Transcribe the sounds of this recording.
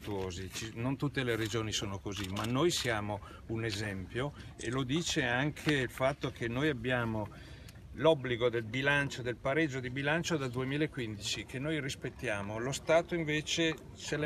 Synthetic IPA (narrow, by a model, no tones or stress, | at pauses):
t̪uoːzit͡ʃinont̪ut̪ːeleɾed͡ʒoːnisoːnokozimanːojsjaːmo | unezɛmpjoḛlod̪iːt͡ʃeaŋkʰeilfat̪ːokʰenːojabːjaːmo | lɔbːliɡod̪elbilant͡ʃod̪elpaɾed͡ʒːod̪ibilant͡ʃod̪ad̪uemiːlaekːwind̪it͡ʃikʰenːojrispet̪ːjaːmolost̪aːt̪oiɱveːt͡ʃe | t͡ʃel